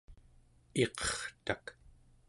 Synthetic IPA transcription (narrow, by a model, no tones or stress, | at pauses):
e̞qʌ̥χt̪ak